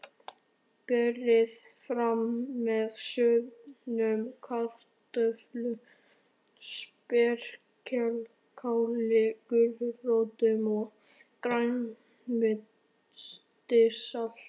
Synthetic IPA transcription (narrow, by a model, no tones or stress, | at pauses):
pɛrɪðfɾamːɛðsœnʏmkʰar̥t̪œflʏm | spɛɾ̥ | cʰɛl | kʰaːwlɪkʏɾrowt̪ʏmɔɣ | kɾaɥn | mɪt̪ | st̪ɪsal̥